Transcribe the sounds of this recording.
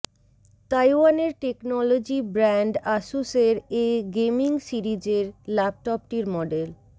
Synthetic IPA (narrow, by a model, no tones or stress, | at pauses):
t̪ajwaneɾʈeknɔlod͡ʑibɾɛɳɖaʃuseɾeɡemiŋsiɾid͡ʑeɾlɛp̚ʈɔp̚ʈiɾmɔɖel